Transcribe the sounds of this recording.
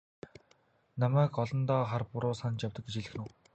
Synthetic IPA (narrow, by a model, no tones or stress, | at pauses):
namæːkɔɮɞ̆nt̪ɔːχarpʊɾʊːsant͡ɕjawt̪ə̆kɡet͡ɕiɮɘ̆xnŭ